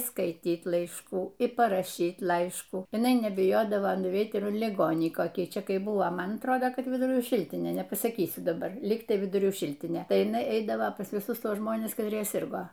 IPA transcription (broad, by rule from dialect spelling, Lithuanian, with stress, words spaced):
skɐɪˈtʲiːt lˠɐɪʃˈkuː ɪr pɐrɐˈʃʲiːt ˈlˠɐɪʃkuː jɪˈnɐɪ nʲɛbʲɪˈjoːdɐʋoː nʊˈʋʲɛɪt ˈɪr lʲɪˈɡoːnʲiː koːˈkʲiː ˈt͡ʃʲɛ ˈkɐɪ ˈbʊʋoː ˈmɐn ɐtˈroːdoː ˈkɐt ʋʲɪdʊˈrʲuː ˈʃʲɪlʲtʲɪnʲeː nʲɛpɐsɐˈkʲiːsʲʊ dɐˈbɐr ˈlʲɪktɐɪ ʋʲɪdʊˈrʲuː ˈʃʲɪlʲtʲɪnʲeː ˈtɐɪ jɪˈnɐɪ ˈɛɪdɐʋoː pɐs ʋʲɪˈsʊsˈtuɔs ˈʒmoːnʲɛs kɐtʲˈrʲiɛ ˈsʲɪrɡoː